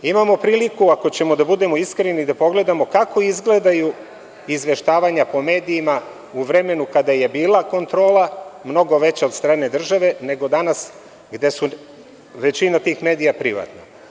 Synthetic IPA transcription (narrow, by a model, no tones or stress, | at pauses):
imamo̞pɾiːlikuako̞t͡ɕe̞mo̞d̪abud̪e̞mo̞iskɾenid̪apo̞ɡle̞d̪amo̞kako̞izɡle̞d̪aju | izʋe̞ʃt̪aːʋaɲapo̞me̞ːd̪iima | uʋɾe̞me̞nukad̪aje̞biːlˠako̞nt̪ɾo̞ːlˠamno̞ɡo̞ʋe̞t͡ɕeo̞d̪st̪ɾaːne̞d̪r̩ʒaʋe̞ne̞ɡo̞d̪anas | ɡd̪e̞su | ʋe̞t͡ɕinat̪iːxme̞ːd̪ijapɾiʋa̰t̪no